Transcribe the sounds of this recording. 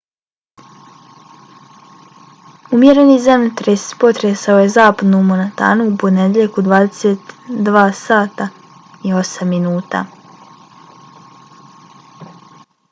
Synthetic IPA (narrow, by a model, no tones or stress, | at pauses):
umjeɾe̞nizamt̪ɾespo̞t̪ɾesaoje̞zaːpad̪numonet̪a̰ːnuːpo̞ned̪jeʎekod̪ʋaːd̪eset̪d̪ʋaːsaːt̪a | io̞samːinuːt̪a̰